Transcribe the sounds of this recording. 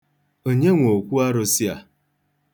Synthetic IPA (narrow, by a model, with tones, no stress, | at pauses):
o˨ɲe˦ŋʷo˨kʷu˦a˦ɾʊ˦si˦a˨